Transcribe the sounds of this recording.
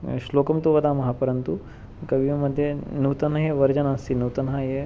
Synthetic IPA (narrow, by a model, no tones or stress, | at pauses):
ʃloːkɐmt̪uʋɐd̪aːmɐɦɐpɐɾɐnt̪u | kɐʋiʋɐmɐd̪ʱjenuːt̪ɐnɦɐjeʋɐɾd͡ʒɐnaːst̪inuːt̪ɐnɦaje